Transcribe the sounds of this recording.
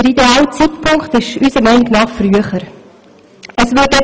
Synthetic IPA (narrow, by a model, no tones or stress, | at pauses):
əɾideɑːlət͡sitpʰʊŋkχt̪ɪʃysəmɛniɡnɑːχfryəχəɾ | əsʋɪt̚ɛ